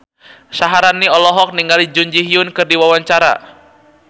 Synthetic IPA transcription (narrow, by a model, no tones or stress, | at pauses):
saɦaɾanːiɔlɔɦɔk̚niŋɡalid͡ʒuɲd͡ʒiɦiʊnkɨrdiwawaɲt͡ʃaɾa̰